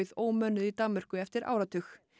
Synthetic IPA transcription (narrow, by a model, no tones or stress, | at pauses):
ɪðoːwmœːnʏðit̪amːʏr̥kʏɛft̪ɪɾa̰ːwɾat̪ʰʏx